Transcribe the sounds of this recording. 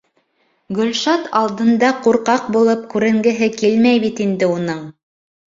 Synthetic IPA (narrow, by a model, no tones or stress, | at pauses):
ɡɵ̆lʃɑt̪ɑlˠd̪ɤ̆nd̪ɑquɾqɑq̚bulˠɤp̚kʉɾɘ̆ŋɡɘ̆ɦɘkilmæjβit̪ind̪ɘunɤɴ